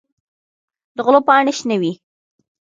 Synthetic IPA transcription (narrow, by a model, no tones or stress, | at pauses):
d̪əɣlopɑɳeʃnəwi